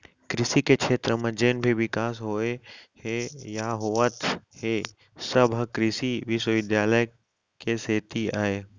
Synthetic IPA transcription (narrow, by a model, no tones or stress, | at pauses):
kɾɪsikekʃeːt̪ɾəmẽd͡ʒeːnbʱiʋɪkaːsɦoːehejaːɦoʋət̪he | səbɦəkɾɪsiʋɪʃwəʋɪd̪jaːləj | keseːt̪iaːeː